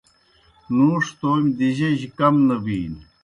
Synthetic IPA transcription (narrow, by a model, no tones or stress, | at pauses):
nuːʂt̪oːmʲd̪iʑeʑikɐmnɐbiːn